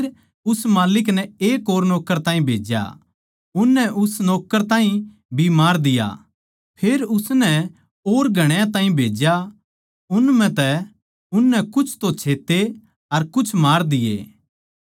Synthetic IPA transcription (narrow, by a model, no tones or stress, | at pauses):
ɾ | ʊsmaːlɪk̬nɛeːkoːɾnɔːkːəɾt̪ãːĩbʱeːd͡ʒja̰ | ʊnːɛʔʊsnɔːkːəɾt̪ãːĩ | bʱimaːɾd̪ɪja̰ | pʰeːɾʊsnɛ | oːɾɡʱɐɽ̃jãt̪ãːĩbʱeːd͡ʒja | ʊnmɛ̃t̪ɛ | ʊnːɛkʊt͡ʃʰt̪õt͡ʃʰeːt̪ːe | ɐɾkʊt͡ʃʰmaːɾd̪ɪjḛː